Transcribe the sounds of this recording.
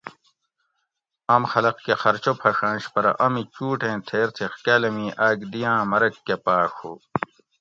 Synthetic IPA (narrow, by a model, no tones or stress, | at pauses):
ɐmxɐlɐqkexɐɾt͡ɕopʰɐʂãːɕpɐɾɐ̰ʔɐmit͡ɕuːʈẽːt̪ʰeːɾt̪ʰixkaːlɐmiʔaːɡd̪ijãːmɐɾɐkːepaːkʰo̰ː